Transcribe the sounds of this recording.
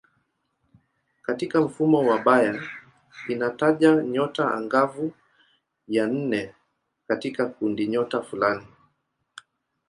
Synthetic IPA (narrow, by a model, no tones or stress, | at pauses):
katikam̩fumɔwaɓaja | inataʄaɲɔtaa̰ŋɡavu | jan̩nɛ | katikakundiɲɔtafulani